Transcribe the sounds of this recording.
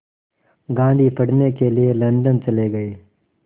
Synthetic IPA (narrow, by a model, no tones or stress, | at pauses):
ɡãːnd̪ʱipʰɐɽ̤nekelielɐ̃nɖənt͡ʃɐleɡɐeː